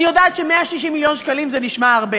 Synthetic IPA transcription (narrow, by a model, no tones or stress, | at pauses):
ijodaat̪ʃemeaʃiʃimiljo̞nʃkalimzeniʃmaaʁbe